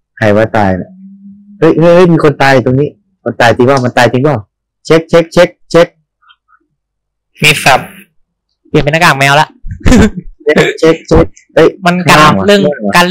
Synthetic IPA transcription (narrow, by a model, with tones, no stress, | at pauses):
kʰa˧˩jwaː˧˥˩t̪aː˧jla̰˧˩ | hɤ˦˥˩jhɤ˦˥˩jhɤ˧˥˩jmiː˧kʰo˧nt̪aː˧jt̪o˧ŋniː˦˥ | kʰo˧nt̪aː˧jt̪i˧ŋbaː˥˩ma˧nt̪aː˧jt̪i˧ŋbaː˥˩w | t͡ɕʰe˦˥k̚t͡ɕʰe˦˥k̚t͡ɕʰe˦˥k̚t͡ɕʰe˦˥k̚ | mi˦˥t̪̚kʰa˦˥p̚ | pi˨˩npe˧nʔa˧kaː˨˩mɛː˧˥wla˧˦˥ʔ | t͡ɕʰe˦˥t͡ɕʰe˦˥k̚t͡ɕʰe˦˥k̚ | a˧˥˩jma˧nʰka˧lɯ˥˩ə˨ŋ˧ka˧l